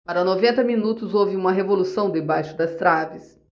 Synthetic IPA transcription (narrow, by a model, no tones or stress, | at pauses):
paɾɐnovẽnt̪ɐminut̪ʊzowvɪũmɐɦevolusɐ̃w̃d̪ebajʃʊd̪ɐst̪ɾavɪs